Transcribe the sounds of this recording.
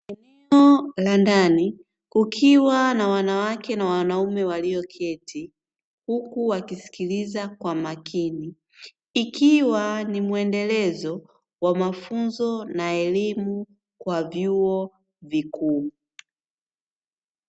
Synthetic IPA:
ɛnɛɔlandani | kukʰiwanawanawakɛnawanaumɛwaliɔkʰɛtʰi | hukuwakisi̥kilizakwamakiniː | kiwanimuɛndɛlɛzɔ | wamafunzɔnaɛlimu | kwavjuɔ | vikuː

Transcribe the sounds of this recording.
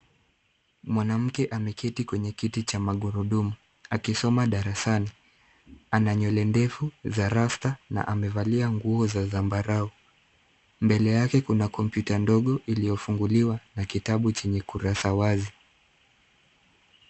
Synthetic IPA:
mwanam̩kɛʔamɛkitikwɛɲɛkitit͡ʃamaɠuɾuɗumu | akisɔmaɗaɾasani | anaɲɔlɛndɛfuzaɾastana̰ʔamɛvaliaŋɡuɔzazambaɾau | mbɛlɛjakɛkunakɔmpjutandɔɠɔʔilijɔfuŋɡuliwanakitaɓut͡ʃɛɲɛkuɾasawazi

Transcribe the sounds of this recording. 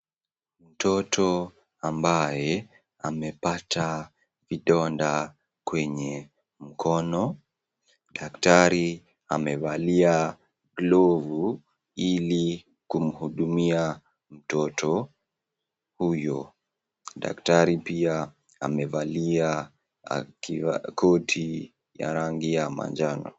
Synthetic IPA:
m̩tʰɔtʰɔ | ambajɛ | amɛpatʰa | viɗɔnda | kwɛɲɛ | m̩kʰɔnɔ | ɗaktaɾi | a̰mɛvalia | ɡlɔvu | ili | kum̩huɗumia | m̩tɔtʰɔ | hujɔ | ɗa̰ktaɾipia | amɛvalia | a̰kivakʰɔtʰi | ja̰ɾaŋɡijama̰nd͡ʒanɔ̰

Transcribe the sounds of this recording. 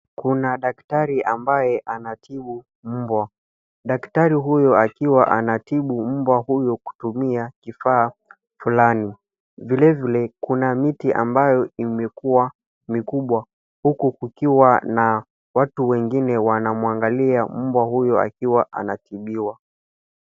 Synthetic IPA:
kunaɗaktaɾiʔambajɛʔanatʰiɓu | m̩bwa | ɗaktaɾiɦujɔakiwaʔanatiɓum̩bwahujɔku̥tumiakifaː | fulani | vilɛvilɛkunamitiʔa̰mbajɔimɛkuwa | mikuɓwa | hukukukiwana | watuwɛŋɡinɛwanamwaŋɡaliam̩bwahujɔa̰kiwaʔa̰natiɓiwa

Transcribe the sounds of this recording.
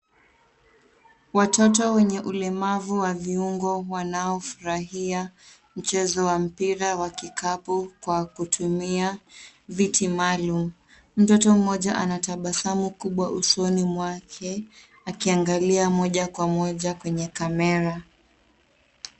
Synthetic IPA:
watɔtɔwɛɲɛʔulɛmavuwaviuŋɡɔwanaɔfuɾaɦia | m̩t͡ʃɛzɔwam̩piɾawakikapɔkwakutʰumiavitimalum̩ | m̩tɔtɔm̩mɔʄaʔanataɓasamukuɓwaʔusɔnimwakʰɛ | akiaŋɡaliamɔʄakwamɔʄakwɛɲɛkamɛɾa

